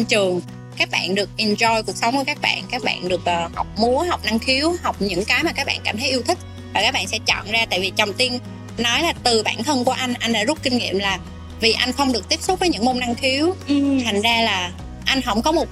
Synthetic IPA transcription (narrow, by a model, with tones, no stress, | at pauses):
t͡ɕɨ˨˩əŋ | kaː˦˥k̚ɓa̰ː˧˨nɗɨ˨˩ək̚ʔɛ˨˩nzɔ˧jku˨˩ək̚sə˨˦wŋ͡mku˧˩˦kaː˦˥k̚ɓa̰ː˧˨nkaː˦˥k̚ɓa̰ː˧˨nɗɨ˨˩ək̚ʔːha˨˩wk͡p̚mu˨˦əɦa˨˩wk͡p̚na˧ŋxi˨˦əwha˨˩wk͡p̚ɲɨ̰˧˥ŋkaː˨˦jmaː˨˩kaː˦˥k̚a̰ː˧nkaː˧˩t̪ʰə˨˦jʔi˧wt̪ʰï˦˥k̚ | vaː˨˩kaː˦˥k̚ɓa̰ː˧˨nsɛ̰˧˥t͡ɕɔ̰˧˨nzaː˧t̪a̰ː˧˨jvi˨˩t͡ɕɔ˨˩wŋ͡mt̪i˧n | nɔ˨˦jlaː˨˩t̪ɨ˨˩ɓa̰ː˧˩˨nt̪ʰə˧nku˧˩əʔa˧jŋ̟ʔa˧ŋ̟ɗa̰ː˧˥zu˦˥k͡p̚kï˧ŋ̟ŋḭ˧˨əmlaː˨˩ | vi˨˩ʔa˧jŋ̟xə˧wŋ͡mɗɨ˨˩ək̚t̪i˦˥p̚sʊ˦˥k͡p̚vəː˨˦ɲɨ̰˧˥ŋmo˧na˧ŋxi˨˦əwt̪ʰa˨˩jŋ̟zaː˧laː˨˩ | ʔa˧jŋ̟ɦə̰˧˥wŋ͡mkɔ˨˦mo˨˩t̚